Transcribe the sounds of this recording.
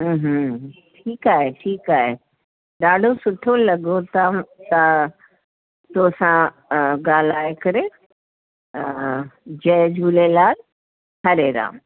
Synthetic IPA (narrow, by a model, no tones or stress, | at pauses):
ɦ̩ | ʈʰiːkaːɦeʈʰiːkaːɦe | ɗaːɖʱosʊʈʰolɐɡot̪at̪a | t̪osã | ɡaːlaːekɐɾe | d͡ʑɛd͡ʒʱuːlelaːl | hɐɾeɾã̰ːm